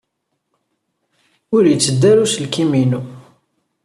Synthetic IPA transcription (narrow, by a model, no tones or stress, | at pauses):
ʊɾjət͡sːəd̪ːæɾusəlkiminu